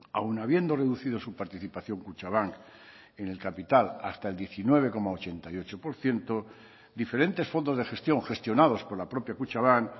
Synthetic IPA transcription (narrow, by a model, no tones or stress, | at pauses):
a̰wnaβ̞je̞nd̪o̞re̞ðuθiðo̞supaɾt̪iθipaθjo̞ŋkut͡ʃaβ̞aŋk | ene̞lkapit̪ala̰st̪aeld̪je̞θinwe̞β̞e̞ko̞maot͡ʃe̞nt̪ajo̞t͡ʃo̞po̞ɾθje̞nt̪o | d̪ife̞ɾe̞nt̪e̞sfo̞nd̪o̞zðe̞xe̞st̪jo̞ŋxe̞st̪jo̞nað̞o̞spo̞ɾlapɾo̞pjakut͡ʃaβ̞aŋk